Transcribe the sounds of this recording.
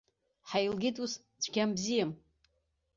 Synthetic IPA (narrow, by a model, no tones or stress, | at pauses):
ħajlɡʲɪtʼus | t͡sʷʰɡʲambzijam